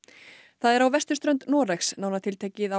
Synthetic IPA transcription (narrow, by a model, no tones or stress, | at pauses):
θaðɛɾawvɛst̪ʏst̪ɾœnt̪nɔːɾɛxsnawnat̪ʰɪlt̪ʰeːcɪða